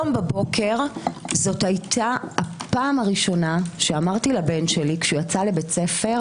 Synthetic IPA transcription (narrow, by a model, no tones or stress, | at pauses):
ombebo̞kʰe̞ʁzo̞thajtʰaapaːmaʁiʃo̞naʃeamaʁt̪ilabe̞nʃelikʃujat͡salebet͡se̞fe̞ʁ